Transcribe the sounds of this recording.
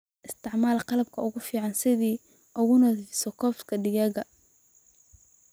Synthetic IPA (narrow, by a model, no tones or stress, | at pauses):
ʔɪst̪ʰɪʕmaːlqɑlɐb̚kʰɐʊɣʊfiːʕɑnsɪðiː | ʔʊɣʊnɔðisɔkʰɔːfskʰɐɖɪɣɛːɣɐ